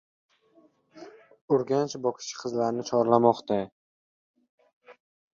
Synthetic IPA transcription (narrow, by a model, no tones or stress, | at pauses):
ʊɾɡʲant͡ʃbɒkʰʲɪ̥ʃɪ̥qʰɨzlaɾnɪt͡ʃʰɒɾlamɒqt̪a